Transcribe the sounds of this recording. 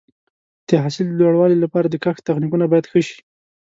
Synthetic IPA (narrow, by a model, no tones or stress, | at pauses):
d̪̥əɦasɪld̪əlwaɽwɑlilapɑɾad̪əkaxt̪axnikunabɑjad̪xəʃi̥